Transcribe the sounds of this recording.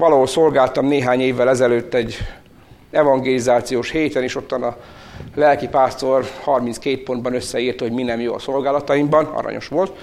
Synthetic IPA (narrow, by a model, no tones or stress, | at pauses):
ʋɒlɒɦolso̞lɡaːlt̪ɒmneːɦaːɲeːvːɛlɛzɛløːt̪ːɛɟː | ɛvɒŋɡeːlizaːt̪sijoːʃheːt̪ɛneːʃo̞t̪ːɒnɒ | lɛlkipaːst̪o̞rhɒrminskeːt̪̚po̞nd̪bɒnø̞sːɛiːrt̪ho̞ɟminɛmjo̰ɒ̰so̞lɡaːlɒt̪ɒimbɒnɒ̰ɾɒ̰ɲʔo̞̰ʃʋo̞lt̪